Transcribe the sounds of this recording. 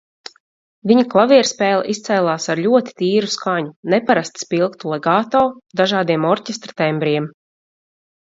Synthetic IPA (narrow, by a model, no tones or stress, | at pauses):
viɲaklˠaviɛɾspɛːlˠa̰ʔist̪sɛjlˠaːsaɾʎʲuɔt̪i̥t̪iːɾuskaɲunɛpaɾast̪spilˠkt̪ulˠɛɡaːt̪ɔːd̪aʒaːd̪iɛmɔɾʲcʲest̪ɾat̪ɛmbɾiɛm